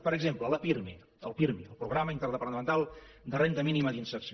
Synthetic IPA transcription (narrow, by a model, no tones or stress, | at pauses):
pəɾəɡzemplələpiɾme | ə̰lˠpiɾmḭəlˠpɾuɣɾaməint̪əɾðəpəɾnəmənt̪alˠ | d̪ərent̪əminiməd̪insəɾsi